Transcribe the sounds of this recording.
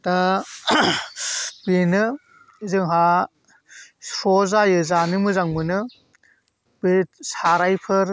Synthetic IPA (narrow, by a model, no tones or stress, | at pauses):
da | benɯ | zɯŋɦa | ɾɔzajɯzanɯmɯzaŋmɯnɯ | besaɾajpʰɯɾ